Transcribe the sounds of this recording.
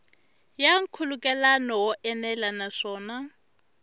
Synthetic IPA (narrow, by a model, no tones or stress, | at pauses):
jaŋ̩kʰulukʼɛlanɔwɔʔɛnɛlanaʂɔːna